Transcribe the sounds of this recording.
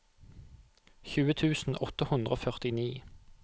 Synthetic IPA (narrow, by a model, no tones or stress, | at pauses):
çʉːət̪ʰʉːsn̩ɔt̪əhʉnd̪ʁəo̰ːfœʁt̪ɪniː